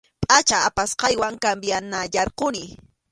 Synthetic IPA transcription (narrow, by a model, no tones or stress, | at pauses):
pʼat͡ʃaapasqɑjwaŋkambjanaʎɑɾqʊnɪ